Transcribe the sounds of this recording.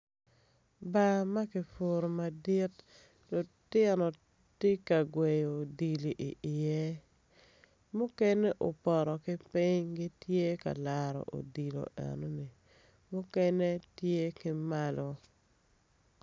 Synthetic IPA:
ba˦ma˦kɪ˨fo˨ɾo˨ma˨di˦t | lʊ˨tɪ˦nɔ˨ | ti˦ka˨ɡwe˨jo˨di˨li˨ʔi˨ʔɪ˨je˦ | mʊ˦kɛ˦nɛ˦ʔo˨pɔ˨ɾɔ˨kɪ˦pɪ˦ɲɡi˦tje˦ka̰˨la˨ɾɔ̰˨ʔo̰˨di˨lo̰˨ɛ̰˨no˦ni˨ | mʊ˦kɛ˦ne˦tje˦kɪ˦ma˦lɔ˦

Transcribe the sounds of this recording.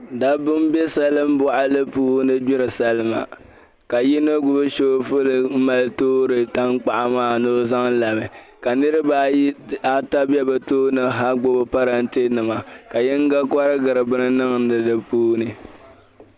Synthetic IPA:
da˦bʊ˦m˦be˦sa˦lɨ˦m˦bʊ˦ʔa˦lɨ˦puː˦nɨ˦d͡ʒɪ˦ɾɨ˨sa˦lɨ˦ma̰˨ | ka˨ji˦no˦ɡʊ˦bɨ˦ʃo˦fʊ˦lɨ˨m̩˦ma˨ltoː˦ɾɨ˨ta˦ŋk͡pa˨ʔa˨maː˦˨no˦za˦ŋ˦la˨mɨ˨ | ka˨nɨ˦ɾɨ˦ba˨˦a˦ta˦bɛ˦bɨ˨toː˦nɨ˨ɦa˦ɡ͡bo˦bo˦pa˦ɾa˨n̩˦te˦nɨ˨ma˨ka˨jɛ˦ŋ˦ɡa˦ka˦ɾɨ˦ɡɨ˨ɾɨ˨bɨ˦nɨ˦nɨ˦ŋn˦dɨ˨dɨ˦puː˦nɨ˨

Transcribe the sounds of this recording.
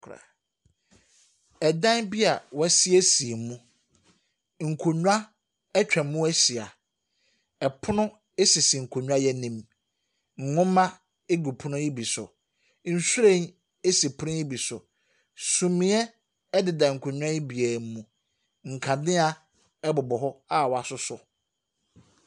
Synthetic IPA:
ɾa̰˨ | ɛ˨dã˦nbi˦a˨wɛ˦si˦ɛ˦si˨e˨mũ˦ | ŋ̩˨kʰo˨ɲᶣ˦a˦ | ɛ˦t͡ɕᶣɛ̃˨mũ˦æ˦si˨a˨ | ɛ˨pʰʊ˦nʊ̃˦ | e˦sɪ˨si˨ŋ̩˨kʰo˨ɲᶣũ˦a˦jɛ˦nĩ˦m | ŋ̩˨ŋʊ̃˦mã˦ | e˦ɡu˨pʰʊ˦nʊ̃˦i˦bi˨sʊ̰˨ | n̩˨su˦ɾẽ˦˨n | e˦si˨pʰʊ˦ʊ̃˦i˦bi˨sʊ˨ | sũ˨mĩ˦ɛ˦ | dɪ˨dã˨ŋ̩˨kʰʊ˨ɲᶣ˦ã˦i˦bi˨ɛː˨m˦mũ˨ | ŋ̩˨kʰã˨dɪ̃˦a˨ | ɛ˦bʊ˨bɔ˨ɦɔ˦a˦˨wɔ˨a˨sʊ˦sʊ˨

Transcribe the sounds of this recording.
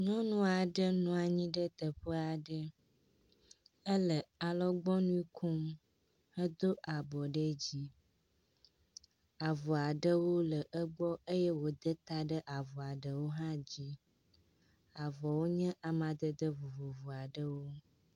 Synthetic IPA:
ɲɔ̃˦nũ˦a˨ɖə˦nũ˦a˨ɲĩ˦ɖə˦t̪ə˨ɸə˦a˨ɖə˦ | ə˦lə˨a˨lɔ˦ɡ͡bɔ˦nũ˦i˦kʰu˦m | ə˦d̪o˦ʔa˨bɔ˨ɖə˦d͡ʑi˦ | a˨vɔ˨a˨ɖə˦wo˦lə˨ʔə˦ɡ͡bɔ˦ə˦jɛ˦wo˦d̪ə˦t̪a˦ɖə˦ʔa˨vɔ˨a˨ɖə˨wo˦ɦã˦d͡ʑi˦ | a˨vɔ˨wo˦ɲɛ̃˦ʔa˨mã˨d̪ə˦d̪ə˦vu˨vo˨vu˨a˨ɖə˦wo˦

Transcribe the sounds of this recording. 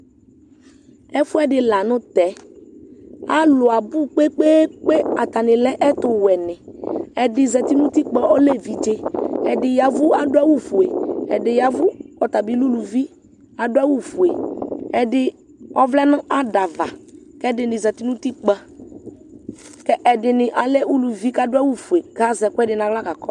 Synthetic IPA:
ɛ˦fu˦ɛ˦ɖɪ˨la˨nʊ̃˦t̪ɛ˨˦ | a˦lʊ˨a˨bu˦k͡pe˦k͡pe˦k͡pe˦a˨t̪a˨nɪ̃˨lɛ˦ʔɛ˦t̪ʊ˨wɛ˨nɪ̃˨ɛ˦dɪ˨zɛ˨t̪i˦nũ˦t̪i˦k͡pɛ˦ɔ˦le˦vi˨d͡ʒe˦ɛ˨dɪ˨ja˨vu˦a˨ɖo˦a˦wu˦vu˨e˨ɛ̰˨dɪ˨ja˨vʊ˦kɔ˨t̪a˨bi˨˦lu˦lu˨vi˦ | a˨dʊ˦ɛ˦wu˦fu˨e˨ɛ˨dɪ˨ | ɔ˦vlɛ˦nʊ̃˦ʔa˦da˨va̰˨kɛ˦dɪ˨nɪ̃˨zɛ˨t̪i˦nũ˦t̪i˦k͡pɛ˦ | kɛ˦ʔɛ˨dɪ˨nɪ˨ʔa˨lɛ˦u˦lu˨vi˦ka˦dʊ˦ɛ˦wu˦vu˨e˨ɡa˨˦zɛ˨kʊ˦ɛ˦dɪ˨nã˨ɡla˦ka˨kɔ˦

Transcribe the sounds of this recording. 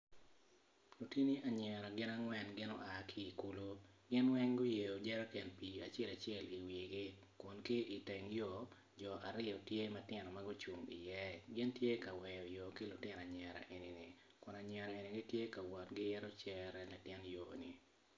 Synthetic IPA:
lo˨ti˦ni˦ʔa˨ɲɛ˨ɾɔ˨ɡɪ˦na˦ŋwɛ˨nɡɪ˦nɔ̰˦ʔa˨kʰi˦i˨ku˦lo˦ | ɡɪ˦nwɛ˦ŋɡʊ˦je˨jo˨d͡ʒɛ˦ɾa˦kɛ˨npi˨a˨t͡ʃɪɛ˦la˨t͡ʃɛ˦˨li˨wi˨ɡɪ˦ | kʊ˨nkɪ˦ʔi˨tɛ˨ŋjo˦˨ | d͡ʒɔ˨ʔa˨ɾɪ˦ɔ˨tje˦mɐ˦tɪ˦nɔ˨maɡʊ˦t͡ʃu˨ŋḭ˨jɛ˦ɡɪ˦ntje˦ka˨wɛ˨jɔ˨jo˨ki˦lʊ˨tɪ˦n˨a˨ɲɛ˨ɾa̰˨ʔe˨ni˨nɪ˨ | kʊ˨na˨ɲɛ˨ɾa˨e˨ni˨ɡɪ˦tje˦ka˨wɔ˨tɡɪ˦jɛ˦ɾɔ˦t͡ʃɛ˦ɾɛ˦la˨tɪ˦njo˨nḭ˨

